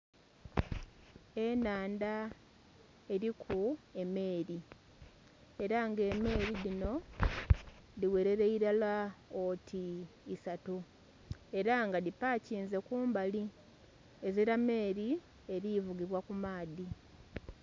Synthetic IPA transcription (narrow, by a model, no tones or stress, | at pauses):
e̞naːnda | eɾikʰue̞me̞ːɾi | e̞ɾaŋɡe̞me̞ːɾilino̞ | ðiwe̞ɾe̞ɾeiɾalaotʰiːsatu | e̞ɾaŋɡadipaːciːnze̞kuːmbali | eziɾame̞ːɾi | e̞ɾivuɡiβwakumaːði